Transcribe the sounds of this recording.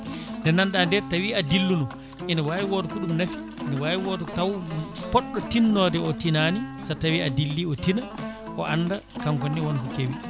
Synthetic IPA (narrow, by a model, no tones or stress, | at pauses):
ndɛnanɗandɛɾtawiadilːunɔ | ʔinawaːwiwɔtɔkuɗumnafi̥ːnawaːwiwɔtɔtawpɔɗːɔtinːɔːdɛɔtinanisatawiʔadilːiɔtina | ʔɔ̰ʔanːdakaŋkɔnːiwɔnkukewi